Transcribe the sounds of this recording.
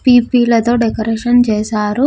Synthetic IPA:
piːpiːlɐt̪o̞ːɖekɐɾekʂɐnt͡ʃeːsaːɾu

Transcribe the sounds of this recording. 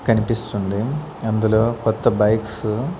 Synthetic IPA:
kɐnipist̪und̪i | ɐnd̪ulo̞ːkɔt̪ːɐbɐjks

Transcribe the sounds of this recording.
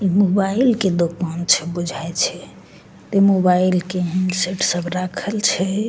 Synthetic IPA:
imobailked̪okant͡ʃʰɛbud͡ʒʱaet͡ʃʰɛ | t̪emobailkeɦiɳɖseʈsəbʱɾakʰəlt͡ʃʰɛ

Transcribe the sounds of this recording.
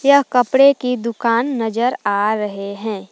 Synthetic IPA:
jɐɦkɐpɽekid̪ʊkaːnːɐd͡ʒəɾaːɾɐɦeɦɛ̃ː

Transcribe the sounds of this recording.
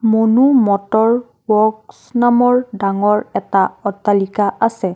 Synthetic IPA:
monumɔtɔɹ | wɔksnamɔɹdaŋɔɹɛtaɔtːalikaasɛ

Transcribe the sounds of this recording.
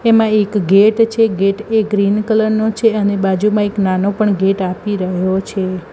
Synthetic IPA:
emãekɡeʈt͡ʃʰeɡeʈeɡɾinkələɾnot͡ʃʰeənebad͡ʒumãeknanopəɳɡeʈapiɾəɦot͡ʃʰe

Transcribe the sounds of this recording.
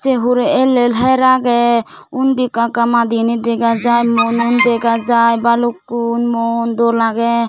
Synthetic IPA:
t͡ʃɛɦuɾɛɛlɛlɦɛɾaɡɛ | und̪ikakamad̪inid̪ɛɡad͡ʒajmɔnund̪ɛɡad͡ʒajbalukːunmɔnd̪ɔɾlaɡɛ

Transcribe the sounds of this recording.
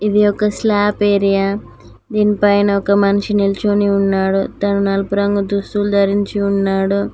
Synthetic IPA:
id̪iɔkɐslaːpeːɾijaː | d̪iːnipɐjnɐɔkɐmɐnuʂinilt͡ʃoːniunːaːɽut̪ɐnunɐlpuɾɐŋɡud̪ust̪ulud̪ɐɾiɲt͡ʃiunːaːɽu

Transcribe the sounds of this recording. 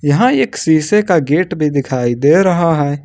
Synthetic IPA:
jɐɦãeːksiːsekaɡeːʈbʱid̪ɪkʰaːid̪eːɾɐɦaɦɛː

